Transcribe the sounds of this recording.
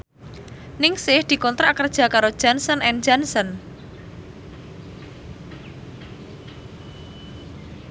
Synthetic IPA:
nɪŋsɪhd̪̥i̤kɔnt̪ɾaʔkərd̥ʒ̥a̤kaɾo̥ʒ̥a̤nsɔnɛnd͡ʒansən

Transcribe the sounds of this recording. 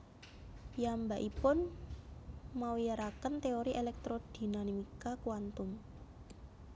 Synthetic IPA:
jambaʔipʊn | maujaɾakənt̪eoɾiʔelɛk̚t̪ɾod̪̥i̤nanimikakuwant̪ʊm

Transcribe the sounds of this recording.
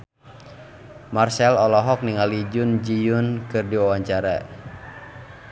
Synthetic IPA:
marsɛlɔlɔɦɔk̚niŋalid͡ʒʊnd͡ʒijʊnkɨrdiwawaɲt͡ʃaɾa̰

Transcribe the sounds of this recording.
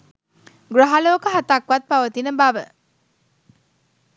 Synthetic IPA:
ɡɾɐɦɐloːkəɦɐt̪akʋɐt̪̚pɐʋət̪inəbɐʋə

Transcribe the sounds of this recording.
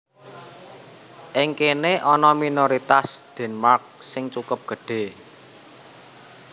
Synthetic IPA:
ʔɪŋkeneʔɔnɔminoɾit̪asd̪̥ɛ̤nmark̚sɪŋt͡ʃukʊp̚ɡ̥ə̤ɖ̥e̤

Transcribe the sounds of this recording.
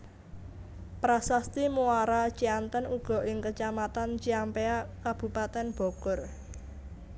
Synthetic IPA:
pɾasast̪imuaɾat͡ʃiant̪ənuɡ̥ɔ̤ʔɪŋkət͡ʃamat̪ant͡ʃiampeakab̥ṳpat̪ɛnb̥ɔ̤kʊr

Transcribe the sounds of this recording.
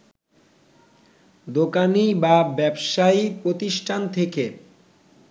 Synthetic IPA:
d̪okanibabɛbʃaipɾot̪iʃʈʰant̪ʰeke

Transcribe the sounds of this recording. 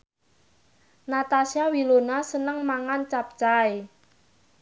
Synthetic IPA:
nat̪asiawilonasənəŋmaŋant͡ʃap̚t͡ʃae

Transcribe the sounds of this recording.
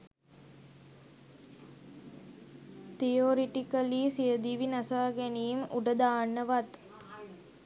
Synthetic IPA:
t̪ijoːɾiʈikəliːsijəd̪iʋinasaːɡæniːmṵɖəd̪aːnːəʋat̪

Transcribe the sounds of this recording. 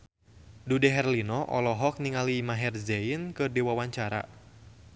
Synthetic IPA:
dudɛɦɛrlinɔʔɔ̰lɔɦɔk̚niŋaliːmaɦɛrzɛinkɨrdiwawaɲt͡ʃaɾa̰

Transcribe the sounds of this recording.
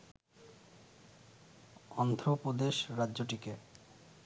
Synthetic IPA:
ɔnd̪ʱɾopod̪eʃɾadːʑoʈike

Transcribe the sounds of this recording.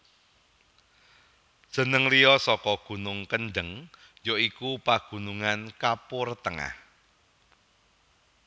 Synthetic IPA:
d̥ʒ̥ə̤nəŋliɔsɔkɔɡ̥ṳnʊŋkənɖəŋ | joikupaɡ̥ṳnuŋankapʊrt̪əŋa̰h

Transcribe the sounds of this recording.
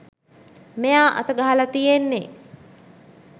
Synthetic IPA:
mejaːʔa̰t̪əɡaɦalat̪ijenːe

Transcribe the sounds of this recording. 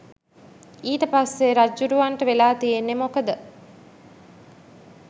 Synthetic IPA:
iːʈəpasːeɾad͡ʒuɾuʋaɳʈəʋelaːt̪ijenːemokəd̪ə

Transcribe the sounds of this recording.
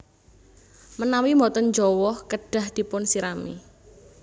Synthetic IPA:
mənawimɔt̪ɔnd͡ʒɔwɔhkəɖ̥a̤hd̪̥i̤pʊnsiɾamḭ

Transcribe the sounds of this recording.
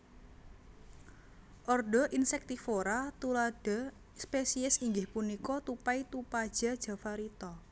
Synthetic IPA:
ʔɔrɖɔ̤ʔinsɛk̚t̪ifoɾat̪ulad̥a̤ | spesiɛsiŋɡɪhpunikɔt̪upait̪upad̥ʒ̥a̤d̥ʒ̥a̤faɾit̪ɔ

